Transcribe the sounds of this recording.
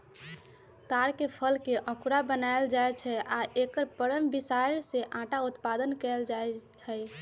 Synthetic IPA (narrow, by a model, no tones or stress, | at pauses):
t̪aɾkepʰəlkeʔə̃kuɾabənaeld͡ʒaet͡ʃʰɛaʔekəɾpəɾəmbisaɾseʔãʈaut̪pad̪ənkɛld͡ʒae | hɛ